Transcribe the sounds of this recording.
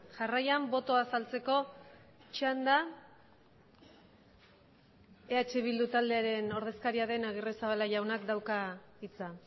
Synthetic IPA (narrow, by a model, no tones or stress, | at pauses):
ʝarajambo̞t̪o̞asalt͡se̞ko̞t͡ʃand̪a | e̞at͡ʃe̞βild̪ut̪ald̪e̞aɾe̞no̞ɾð̞e̞skaɾiaðe̞naɣ̞iresaβalaʝawnakd̪awkait͡sa